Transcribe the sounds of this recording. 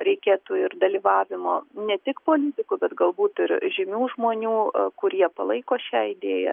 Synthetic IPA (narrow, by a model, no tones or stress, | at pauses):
ɾʲɛɪkʲeːt̪uːɪrd̪ɐlʲiːʋɑːʋʲɪmoːnʲɛt̪ʲɪkpoːlʲɪt̪ʲɪkʊbʲɛt̪ɡɐlˠbuːt̪ɪɾʒʲɪmʲuːʒmoːnʲuːkʊɾʲiɛpɐlˠɐɪkoːʃʲæːɪd̪ʲeːjɛ̰